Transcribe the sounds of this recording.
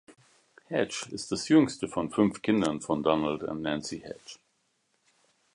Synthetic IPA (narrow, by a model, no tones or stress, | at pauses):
hɛt͡ʃɪsð̥asjʏŋstəfɔ̃nfʏnfkʰɪ̃ndə̃nfɹɔ̃ndɔnəl̩dæ̰̃nnæ̃nsihɛ̰t͡ʃ